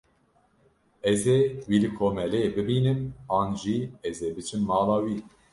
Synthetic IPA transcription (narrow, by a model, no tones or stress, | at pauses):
ɛzeːwiːlɨkʰoːmɛlebɨbiːnɨmɑːnʒiɛzeːbɨt͡ʃʰɨmːɑːlɑːwiː